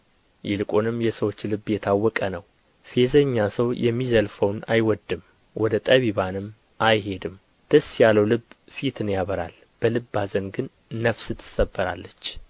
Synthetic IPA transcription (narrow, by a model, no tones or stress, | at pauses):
jɪlɨkʼonɨmjɛsəwo̞t͡ʃːlɨbːjɛt̪ʰawːɔkʼənəw | fe̞zəɲːasəwjʔɛmːizəlfəwna̰jwɔd̪ːɨm | wɔd̪ət̪ʼəβiβanɨm | ʔajɦe̞d̪ɨm | d̪̥əsːjaləwlɨb | fit̪ʰɨnjaβəɾa̰l | b̥əlɨbːazənɡɨnː | əfsɨt̪ʰːɨ̥səbːəɾa̰lːət͡ʃː